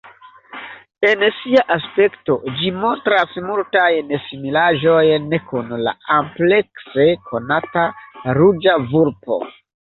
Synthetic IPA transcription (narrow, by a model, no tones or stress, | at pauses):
e̞nsiaʔaspe̞kto̞d͡ʒimo̞ntɾasmultajnesimilaʒo̞jnekunla̰ample̞ksekʰo̞nataɾud͡ʒavuɾpo̞̰